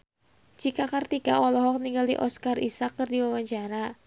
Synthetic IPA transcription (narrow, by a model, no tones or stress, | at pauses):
d͡ʒikakɨrt̪ikaʔɔlɔɦɔk̚niŋɡaldḭʔɔskarʔḭsakːɨrdiwawaɲt͡ʃaɾa